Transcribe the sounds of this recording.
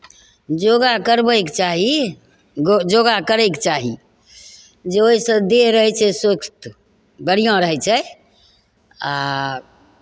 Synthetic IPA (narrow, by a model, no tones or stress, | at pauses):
d͡ʒoɡakəɾbɛjkt͡ʃaɦi | d͡ʒoɡakəɾɛkt͡ʃaɦi | d͡ʒeoɦisə̃d̪eɦɾəɦɛt͡ʃʰɛsəkst̪ | bəɽijãɾəɦɛt͡ʃʰɛ | a